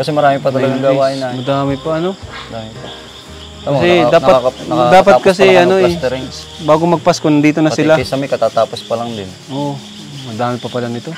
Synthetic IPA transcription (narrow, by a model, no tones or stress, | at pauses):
kɐsɛmɐɾaːmɪpɐt̪ɐlɐɡaŋɡawaːʔɪnamɐd̪aːmɪpɐʔɐno̞d̪aːmɪpɐ | aɐsɛdaːnpɐnɐad̪aːpɐat̪̚kɐsɛɐno̞ɛɾɪŋ | baːɡomɐɡ̚paskonɐd̪iːt̪onɐsɪlasɐmɐjkɐt̪at̪aːpospɐlɐŋd̪ɪnʔo | mɐd̪aːmɪpɐpɐlɐnɪt̪o̞